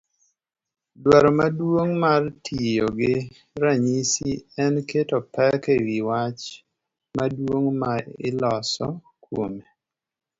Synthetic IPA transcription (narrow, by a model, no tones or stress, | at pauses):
dwaɾɔmadwoŋmartʰijoɡɪ | ɾaɲisiɛnketɔpɛkewiwat͡ʃ | madwoŋmaɪ̰lɔsɔ̰ | kwome